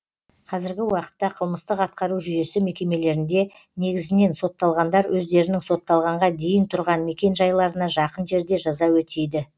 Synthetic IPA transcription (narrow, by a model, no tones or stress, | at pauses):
qʰɑzɪɾɡʲɪwɑqə̥t̪ːɑqʰəlˠməst̪əqɑt̪̚qɑɾuʒʏje̞sɪme̞kʲe̞me̞le̞ɾɪnd̪e̞ | ne̞ɡʲɪzɪne̞nso̞t̪ːɑlˠʁɑnd̪ɑɾwʔɵzd̪e̞ɾɪnɪŋso̞t̪ːɑlˠʁɑɴʁɑd̪e̞jɪnt̪ʰʊɾʁɑnme̞kʲe̞nʒɑjlˠɑɾənɑʒɑqənʒe̞ɾd̪e̞ʒɑzɑwɵt̪e̞jd̪ɪ